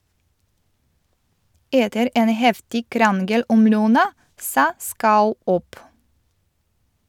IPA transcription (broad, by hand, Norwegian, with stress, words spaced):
ˈʔeːtəɾ ˈʔeːn ˈhɛftɪ ˈkɾɑnɡəl ˈʔɔm ˈlœnɑ ˈsɑː ˈskɑʉ ˈʔɔp